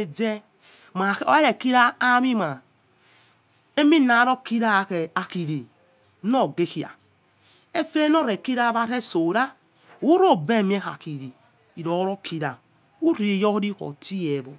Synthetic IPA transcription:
e˨d͡ze˦ | ma˨˦o̰˦e˦ɾe˨ki˦ɾa˦a˦mi˦ma˨ | e˦mi˦na˨˦ɾo˦ki˦ɾa˦˨ke˨a˨ki˨ɾi˨ | no˦˨ɡe˦ki˨a̰˨ | e˦fe˦no˦˨ɾe˨ki˦ɾa˦βa˦ɾe˦so˨ɾa˦ | u˦ɾo˦˨be˦˨mi˦e˦ha̰˨ki˨ɾi˨ | i˨ɾo˨˦ɾo˦kʰi˦ɾa˨ | u˦ɾi˨e˨jo˦ɾi˦ko̰˨ti˦je˨vo˨

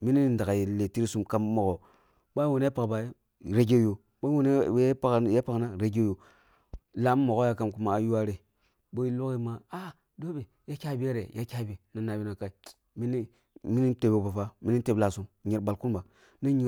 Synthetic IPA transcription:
mi˦ni˦nda˨ɡa˨je˨le˨ti˦ɾi˦su˦mka˦mːo˨ɡo˨ | ɓa˦wo˨n˦pa˨kba˨˦˨ | ɾe˨ɡe˦jo˨ | ɓa˦wn˦a˨kje˦pa˦kna˦ɾe˨ɡe˦jo˨ | la˦m˦mo˨ɡo˦ja˦ka˦mku˦maː˨ju˦wa˦ɾe˨ | bo˦i˦lu˦ki˦ma˦a˦ | do˦be˨ | ja˦kʲa˦bi˦e˦ɾe˨jʔa˦kʲa˦bi˨na˨na˨bi˦na˨ka˦i˨ | mi˦ni˦ | mi˦ni˦n˦te˨be˨ba˨fa˦mi˦ni˦te˨bla˨su˦mɲe˨ɾba˨lku˦nba˨ | na˦ɲi˦

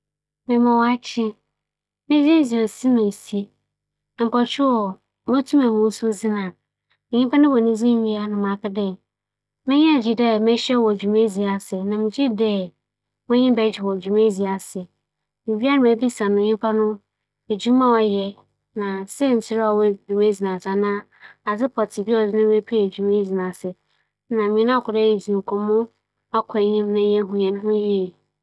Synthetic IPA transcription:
mɪ̃˨mɔ̃˨wa˦t͡ɕʰɪ˦ | mɪ̃˦zi˦e˦zi˨o˨si˦nʊ̃˨e˨si˦˨ | m̩˨kɔ˨t͡ʃʰᶣu˦ɔ˨ | mɔ̃˦tʰũ˦mɛ̃˨mʊ̃˦sʊ˦zi˦nã˨ | ɲɪ̃˦pʰa˦nʊ̃˦wɔ˨nĩ˦zĩ˦ɲi˦a˦nʊ̃˨mã˨kɪ˦dɛ̃˦˨ | mɪ̃˦ɲɛ̃˦˨d͡ʑi˦dɛ˦mɪ̃˦ɕɛ˦wɔ˨d͡ʑᶣu˨me˦zi˨a˨sɪ˨nã˨mɪ̃˨d͡ʑi˦dɛ˦ | mʊ̃˦ɲɪ̃˦bɛ˦d͡ʑɪ˨wɔ˨d͡ʑᶣu˨mẽ˦zi˨a˨sɪ˨ | mĩ˨bi˦a˦ɾa˨mæ˨bi˦sã˨nʊ̃˨ɲĩ˦pʰa˦nʊ̃˦ | e˨d͡ʑu˦mã˦wɔ˨jɛ˨ | nã˨sɛ˦n̩˨tʰɪ˦ɾa˨wɛ˦d͡ʒu˨me˦zi˨nã˨sa˨nã˦ | a˨sɪ˦pʰɔ˨tʰɪ˨bi˦ɔ˨dɪ˦nʊ̃˦e˦pʰi˦e˨d͡ʑu˨me˦zi˨nã˨sɪ˨ | nã˨mĩ˨˦nã˦kʰʊ˨dɛ˦e˨zĩ˨ŋ̩˨kʰɔ̃˨mʊ̃˦ | a˦kʷʰɔ˨˦ɲĩ˦m˦nã˦jɛ˦ɦʊ̃˦jɛ̃˨ñ˦hʊ̃˦ji˦˨

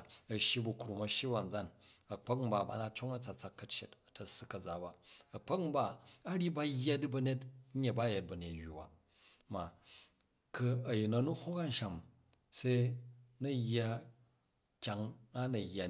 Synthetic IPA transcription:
ɐ˨ʃji˦bu˨kɾu˨mɐ˨ʃji˦ba˨n̩˨d͡za˦nɐ˨k͡pɐ˦km̩˦ba˨ba̰˨˦na˦t͡ʃo˦ŋɐ˦t͡sa˨t͡sa˨kːɐ˨t͡ʃe˨tɐ˨tɐ˨sɨ˦kɐ˨d͡za˨ba˨ɐ˨k͡pɐ˦km̩˦baː˦ɾi˦ba˦jːa˦di˦bɐ˦ne˦t̩˦ɲe˨ba˦˨je˨t̚bɐ˨ne˨tjːṵ˨ba̰˨ | ma˨ | kɨ˧ɐ˨ji˨na˨nu˦ho˦ka˦n̩˨ʃa˨m | se˦nɐ˦jːa˦ | kʲa˨ŋa˦nɐ˨jːa˨

